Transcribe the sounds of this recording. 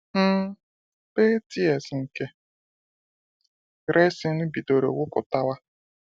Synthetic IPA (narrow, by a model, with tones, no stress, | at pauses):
pe˦ti˦ɛ˨sŋ̩˨ke˦ | ɾe˦sɪ˦nu˦bi˨do˨ɾo̰˨wʊ˦kʊ̰˨ta˦wa˦